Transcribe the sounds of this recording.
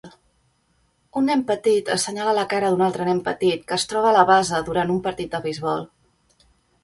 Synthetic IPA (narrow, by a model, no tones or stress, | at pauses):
unːɛmpət̪it̪əsəɲalaləkaɾəðunalˠt̪ɾənɛmpət̪it̪kəːst̪ɾɔβəːləβazəðuɾant̪umpəɾt̪it̪̚d̪əβəjzβɔlˠ